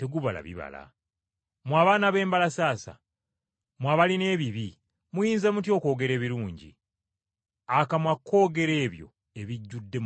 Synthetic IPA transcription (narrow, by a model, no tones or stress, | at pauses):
te̞ɡuβala̰βḭβa̰la̰ | mwaːβaːnaβe̞ːmbalasaːsa̰ | mwaβaline̞ːβiβi | mujiːnzemut̬jo̞ːko̞ːɡe̞ɾe̞ːβiɾuːɲɟḭ | akamwakʰːo̞ːɡe̞ɾe̞ːβjo̞̰ | e̞βiɟːudːe̞